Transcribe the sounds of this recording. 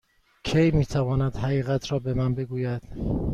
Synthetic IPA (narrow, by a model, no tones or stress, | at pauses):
kʰejmiːt̪ʰævɒːnæd̪̥ɦæɣiːɣæt̪ʰɾɒːbe̞mænbe̞ɡuːjæd̪̥